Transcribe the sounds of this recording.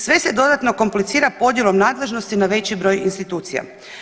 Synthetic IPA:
sʋe̞se̞d̪o̞d̪at̪no̞ko̞mplit̪siːɾapo̞d̪jelˠo̞mnaːd̪le̞ʒno̞st̪inaʋe̞t͡ɕibɾo̞jinst̪it̪uːt̪sija̰

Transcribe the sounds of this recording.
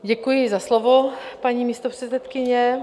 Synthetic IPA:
ɟɛkujɪzaslovopaɲiːmist̪opr̥ɛsɛt̪kɪɲɛ

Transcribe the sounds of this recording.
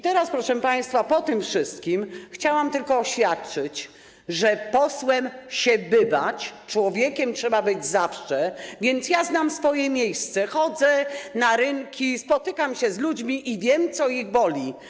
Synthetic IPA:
it̪ɛɾaspɾɔʂɛpaj̃st̪fapɔt̪ɘmfʂɘst̪kʲimxt͡ɕawamt̪ɘlkɔːɕfʲjat̪̚t͡ʂɘt͡ɕ | ʐɛpɔswɛmɕɛbɘvat͡ɕt͡ʂwɔvʲjekʲɛmtʂɛbabɘd͡ʑzafʂɛvʲjɛnt̪sjaznamsfɔjɛmʲjejst̪sɛxɔd̪zɛnaɾɘŋkʲispɔt̪ɘkamɕɛzlud͡ʑmʲiʔivʲjɛmt̪sɔiɣbɔlʲi

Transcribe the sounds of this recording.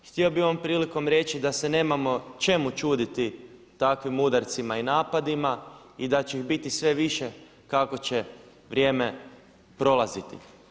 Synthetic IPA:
xt̪io̞bioʋompɾiːliko̞mɾe̞t͡ɕid̪ase̞ne̞ːmamo̞t͡ʃe̞mut͡ʃuːd̪it̪i | t̪akʋimud̪aɾt̪simainaːpad̪ima | id̪at͡ɕeiɣbit̪isʋe̞ʋiʃe̞ | kako̞t͡ɕe̞ | ʋɾʲjeːme̞ | pɾo̞lˠazit̪ḭ

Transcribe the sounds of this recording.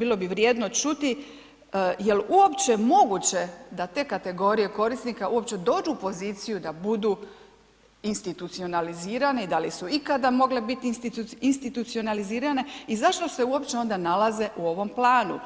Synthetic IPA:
biːlˠo̞biʋɾjeːd̪no̞t͡ʃut̪i | je̞luo̞pt͡ʃe̞mo̞ɡut͡ɕed̪at̪e̞ːkat̪e̞ɡo̞ːɾije̞ko̞ɾisnikaʔuo̞p̚t͡ɕe̞d̪o̞ːd͡ʒuːpo̞ziːt̪sijud̪abud̪u | inst̪it̪ut̪sio̞naliziːɾane̞id̪alisuikad̪amo̞ɡle̞bit̪int̪inst̪it̪ut̪sio̞naliziːɾane̞izaʃt̪o̞se̞uo̞pt͡ʃeo̞nd̪analˠaze̞ʔuo̞ʋo̞mplˠaːnṵ

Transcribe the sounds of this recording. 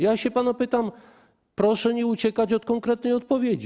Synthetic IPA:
jaɕɛpanɔpɘt̪am | pɾɔʂɛɲiut͡ɕɛkat͡ɕɔt̪̚kɔŋkɾɛt̪̚nɛjɔt̪̚pɔvʲjed͡ʑi

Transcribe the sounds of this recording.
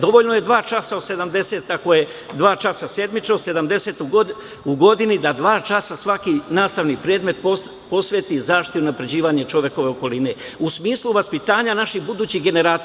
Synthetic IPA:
d̪o̞ʋo̞ʎnoje̞d̪ʋaːt͡ʃasaose̞d̪amd̪e̞se̞t̪akoje̞ | d̪ʋaːt͡ʃasase̞d̪mit͡ʃnose̞d̪amd̪e̞se̞t̪uɡ | uɡo̞d̪inid̪ad̪ʋaːt͡ʃasasʋakinaːst̪aʋnipɾeːd̪me̞t̪po | po̞sʋet̪izaːʃt̪iunapɾe̞d͡ʑiːʋaːɲet͡ʃo̞ʋje̞ko̞ʋe̞oko̞line̞ | usmiːslˠuʋaspit̪aːɲanaʃixbud̪uːt͡ɕiɦɡe̞ne̞ɾaːt̪s

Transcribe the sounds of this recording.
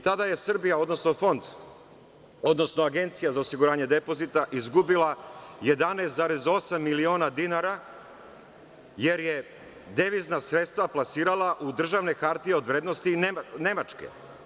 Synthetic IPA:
t̪ad̪aje̞sr̩bijao̞d̪no̞sno̞fo̞nd̪ | od̪no̞snoaɡe̞nt̪sijazaosiɡuɾaːɲe̞d̪e̞po̞zit̪aʔizɡubilˠaje̞d̪anest̪zaɾe̞zo̞samːilio̞ːnad̪inaɾa | je̞ɾje̞ | d̪eʋiznasɾet̪st̪ʋaplˠasiːɾalˠaʔud̪r̩ʒaʋne̞kaɾt̪ieo̞d̪ʋɾed̪nost̪inene̞mat͡ʃkḛ

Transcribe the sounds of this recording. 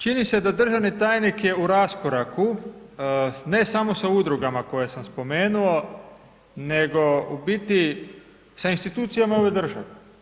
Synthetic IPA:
t͡ʃinise̞d̪ad̪r̩ʒaʋnit̪aːjnikje̞uɾaskoɾaku | ne̞samo̞saud̪ɾuɡamako̞jesamspo̞meːnuo̞ | ne̞ɡo̞ubit̪i | sainst̪it̪uːt̪sijamaoʋejd̪r̩ʒa̰ʋe

